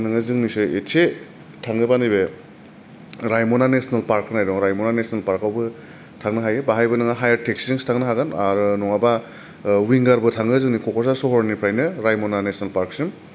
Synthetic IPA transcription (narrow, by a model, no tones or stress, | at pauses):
nɯŋɯzɯŋnisɯetʰe | tʰaŋɡɯbanibe | ɾajmɔnanesnalpaɾkːɯnajdɔŋɾajmɔnanesnalpaɾkawbɯ | tʰaŋnɯɦajɯbaɦajbɯnɯŋaɦajaɾtek̚siɯŋstʰaŋnɯɦaɡanaɾɯnɔŋaba | wiŋɡaɾbɯtʰaŋɡɯzɯŋnikʰɔkʰɔsasɔɦɔɾnipʰɾajnɯɾajmɔnanesnalpaɾksɯm